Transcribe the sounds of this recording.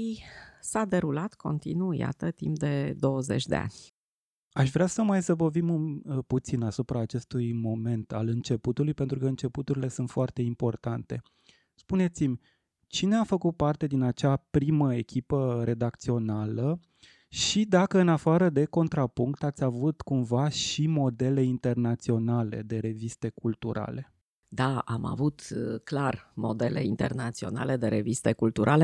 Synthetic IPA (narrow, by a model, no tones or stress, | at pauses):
isad̪e̞ɾulat̪ko̞̰nt̪ḭnuja̰t̪ət̪ḭmp̚d̪e̞d̪o̞wəze̞̰t͡ʃʲd̪e̞̰a̰nʲ | aʃvɾeasəmajsəvovimɨput̪sinasupɾaːt͡ʃe̞st̪ujmo̞me̞nt̪a̰lɨnt͡ʃe̞put̪ulujpe̞nt̪ɾukəɨnt͡ʃe̞put̪uɾile̞sunt̪foart̪e̞impo̞rt̪ant̪e̞ | spune̞t̪simʲ | t͡ʃine̞afəkut̪̚part̪e̞d̪inat͡ʃapɾiməe̞kʲipəre̞d̪akt̪sio̞nalə | ʃid̪akəɨnafaɾəd̪e̞ko̞nt̪ɾapuŋkt̪at̪sʲavut̪kumvaʃimo̞d̪e̞le̞int̪e̞rnat̪sio̞nale̞̰d̪e̞ɾe̞vist̪e̞kult̪uɾa̰le̞ | d̪aa̰ma̰vut̪klarmod̪e̞le̞̰int̪e̞̰rnat̪sio̞̰na̰le̞d̪e̞ɾe̞vist̪ekult̪uɾʔale